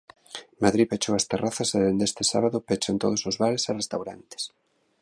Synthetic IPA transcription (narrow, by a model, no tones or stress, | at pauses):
maðɾipet͡ʃoɐst̪eraθaseðend̪est̪esa̰βaðʊpet͡ʃant̪oð̞osozβaɾesarest̪awɾant̪e̥s